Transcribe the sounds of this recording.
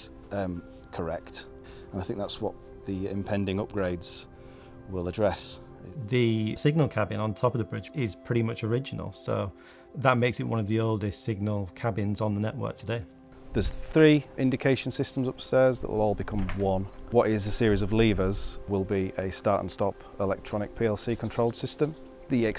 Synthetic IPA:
m | kʰəɹɛkt | ə̃naɪθɪ̃ŋk̚ðatswɒ̰ʔ | ðiɪ̰̃mpʰɛ̃ndɪ̃ŋʊp̚ɡ̥ɹeɪdz̥ | wɪlˠədɹɛs | ðəsɪɡ̚nəlˠkʰabɪ̃nə̃ntʰɒpəvðəbɹɪd͡ʒɪz̥pʰɹ̥ɪɾimʌt͡ʃəɹɪd͡ʒɪnə̰lˠsoʊ | ðəʔmeɪksɪʔwʌ̃nəvðioʊlˠdɪstsɪɡ̚nəlˠkʰabɪ̃nzn̩ðənɛ̰ʔwɜ̰ˑk̚tʰədeɪ | ðəz̥θɹiːʔɪ̃ndɪkʰeɪʃə̃nsɪstə̃mzʊpstɛːzðə̰ʔwʔɪ̰lɔːlˠbɪkʰʊ̃mwʌ̃nwɒtɪzəsɪəɹizəvliːvəzwɪlˠbiʔəstɑˑɹtə̰̃n̩stɒp | ɪlɛk̚tʰɹ̥ɒnɪk̚pʰiɛlˠsiːkʰə̃ntʰɹ̥oʊlˠsɪstə̃m | ðiɛk

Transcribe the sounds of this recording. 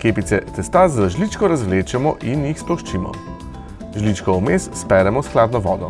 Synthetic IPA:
keːpit̪sɛt̪ɛst̪azaʒlit͡ʃkɔɾazʋleːt͡ʃɛmɔʔinjixsplɔʃt͡ʃiːmɔ̰ | ʒlit͡ʃkɔumesspɛɾɛmɔsklaːd̪nɔʋɔ̰ːd̪ɔ

